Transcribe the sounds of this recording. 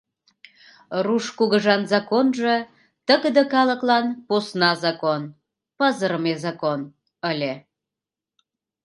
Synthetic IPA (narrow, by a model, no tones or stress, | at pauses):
ruʃkuɣəʒɑnzɑkonʒə | t̪əɣəd̪əkɑlə̆klɑnposnɑzɑkon | pəzəɾəmezɑkon | əlʲe